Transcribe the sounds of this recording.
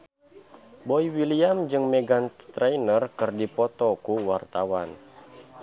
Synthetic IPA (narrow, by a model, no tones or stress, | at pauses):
bɔiwiliamd͡ʒɨŋmɛɡant̪ɾɛjnərkɨrdipɔt̪ɔkuwart̪awan